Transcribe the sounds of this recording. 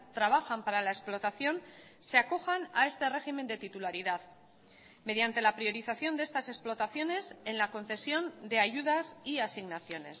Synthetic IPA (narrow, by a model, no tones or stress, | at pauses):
t̪ɾaβ̞axampaɾalaesplo̞t̪aθjo̞n | se̞ako̞xanae̞st̪e̞re̞xime̞nd̪e̞t̪it̪ulaɾiðað | me̞ð̞jant̪e̞lapɾio̞ɾiθaθjo̞nd̪e̞st̪ase̞splo̞t̪aθjo̞ne̞se̞nlako̞n̟θe̞sjo̞nd̪e̞aʝuð̞asiasiɣnaθjo̞ne̞s